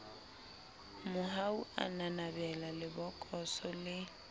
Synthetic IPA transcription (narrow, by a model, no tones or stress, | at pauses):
mʊɦaua̰nanabɛlalɪbɔkʼɔsɔlɪ